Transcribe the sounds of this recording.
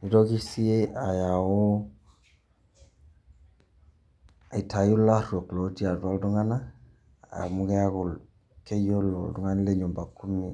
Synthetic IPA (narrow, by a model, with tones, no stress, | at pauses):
i˦tɔ˦ki˦si˦e˦a˨ja˨o˦ | a˨i˨tʰa˨ju˦la˦ɾɔ˨klo˨˦di˦a˨da˦ldu˦ŋa˦na˦˨ | ja̰˨mu˦kɛ˦a˦kʊ˨l | ke˦jo˦lɔ̰˨du˦ŋa˦ni˦le˦ɲu˨mba˨ku˦mi˨